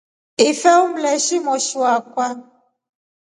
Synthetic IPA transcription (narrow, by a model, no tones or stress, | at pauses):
ifɛum̩lɛʃimɔʃuakwa